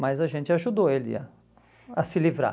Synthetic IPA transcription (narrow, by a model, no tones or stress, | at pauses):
majzɐʒẽnt͡ʃɪaʒud̪oelɪ̰a̰ | ɐsɪlivɾa̰